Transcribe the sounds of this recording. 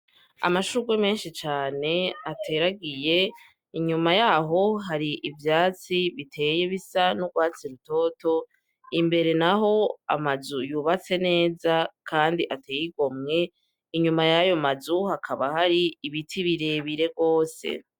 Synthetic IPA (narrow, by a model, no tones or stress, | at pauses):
a̰maʃuɡweme̞ːnʃit͡ʃaːne̞atʰe̞ɾaɡije̞ | iɲumajaːɦo̞ɦaɾiʔivjaːt͡siβitʰe̞ːje̞βisanuɡwaːt͡siɾuto̞ːto̞ | imbe̞ɾe̞naɦo̞a̰mazujuβat͡se̞ne̞ːzakʰaːndiʔatʰeːjiɡo̞mŋe̞ | iɲumajajo̞mazuhakʰaβahaɾiiβitʰiβiɾe̞βiɾe̞ɡo̞ːse̞̰